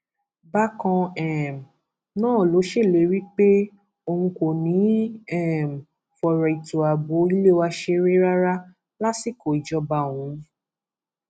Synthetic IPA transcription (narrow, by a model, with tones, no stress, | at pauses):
ba˦kɔ̃˧ɛ˦˨m˨ | nãː˦˨lo˨˦ʃe˦˨le˨˦˨ɾi˦k͡pe˦ | o˧hũ˧ko˨nĩ˨˦ɛ˦˨m̩˨ | fɔ˨ɾɔ˨i˨to˨a˨bo˨˦i˦le˦˨wa˧ʃe˧ɾe˦ɾa˦ɾa˦ | la˦si˦˨ko˨i˨d͡ʒɔ˧˦ba˧˨wũ˨˦ɾĩ˦